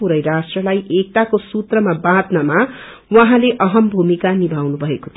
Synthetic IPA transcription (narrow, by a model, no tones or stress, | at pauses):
uɾʌjɾasʈrʌlajʔek̚ʈ̪akosut̪rʌmabãd̪nʌma | wʌɦãleʔʌɦʌmbʱumikanibʱawnubʱʌekot̪ʰ